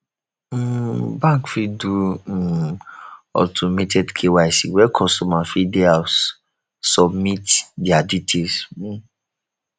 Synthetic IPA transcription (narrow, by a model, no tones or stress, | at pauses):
bãŋkfidu | ɔ̰tʰɔmetʰɛdkʰewajsḭwɛkʰɔstɔmafideas | sɔbmitdiaditʰels̩